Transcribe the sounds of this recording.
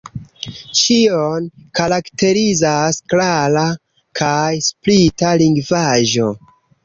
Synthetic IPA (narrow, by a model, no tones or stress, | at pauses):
t͡ʃionkaɾakte̞ɾizasklaɾa | kʰajsplitaliŋɡvaʒo̞